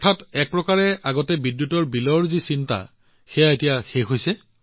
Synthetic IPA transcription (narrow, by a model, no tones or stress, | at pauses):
ɔtʰatɛk̚pɹɔkaɹɛʔaɡɔtɛbidjutɔɹbilɔɹzisinta̰ | xɛjaetijaxexɦojsɛ